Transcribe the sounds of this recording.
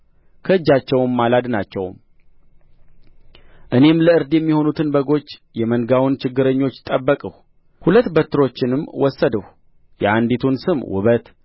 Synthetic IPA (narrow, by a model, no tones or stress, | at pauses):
kʰəɨd͡ʒːat͡ʃːɛwnːalad̪nat͡ʃːɛ̰wm | ʔɨne̞mləɨɾd̪jɛmːiho̞nut̪ʰɨnbəɡo̞t͡ʃː | jɛmənɡawnt͡ʃɪɡːɨɾəɲːo̞t͡ʃːt̪ʼːəbːəkʼəh | hulət̪ːbət̪ːɨɾo̞t͡ʃːɪnɨmwɔsːəd̪əh | jɛʔand̪it̪ʰunsɨmwʊ̰βət̪